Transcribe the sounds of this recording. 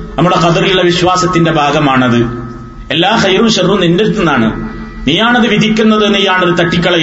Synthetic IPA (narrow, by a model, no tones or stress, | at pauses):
nɐmːuɽe̞qɐd̪ɐrijuɭːɐʋiɕʋaːsɐt̪ːinde̞bʱaːɡɐmaːɳɐðɨ | e̞lːaːxɐjɾumɕɐrːumnindeɾut̪ːunːaːɳɨ̰ | niːjaːɳɐðɨʋid̪ʱikʲːunːɐðenːijaːɳoɾut̪ɐʈːikʲːɐɭɐ